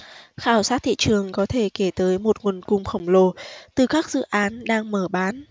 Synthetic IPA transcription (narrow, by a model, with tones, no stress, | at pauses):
xaː˧˩wsaː˦˥t̚t̪ʰḭ˧˨t͡ɕɨ˨˩əŋkɔ˨˦t̪ʰe˧˩ke˧˩t̪əː˨˦jmo˨˩t̚ŋwu˨˩nkʊ˨˧˩ŋ͡mxə˧˩wŋ͡mlo˧˩t̪ɨ˨˩kaː˦˥k̚z̥ɨ̰˧˨ʔaː˨˦nɗaː˧ŋməː˧˩ɓaː˨˦n